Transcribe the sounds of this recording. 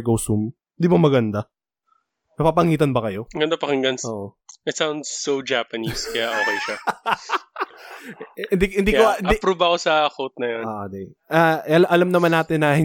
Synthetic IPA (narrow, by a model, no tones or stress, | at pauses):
ɡoːsum | hɪnd̪iːbɐmɐɡɐnd̪a | nɐpapɐŋiːt̪ɐnbɐkɐjo̞ɡɐnd̪apɐkɪŋɡɐnsoːʔo | ʔɪt̪sawnd̪sːod͡ʒapɐniskɐjaʔoːkejʃa | hɪnd̪ikhɪnd̪ikoɪnd̪ipɾuːbɐkosɐkot̪̚nɐjonoːʔod̪ɛaɐlʔɐlɐmnɐmanːaːt̪ɪnːɐhɪ